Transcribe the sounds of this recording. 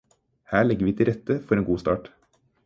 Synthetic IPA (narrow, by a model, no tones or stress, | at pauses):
hæːɭɛɡəɾʋiːt̪ʰɪlɾɛt̪ːəfɔɾeːnɡuːst̪ɑːʈ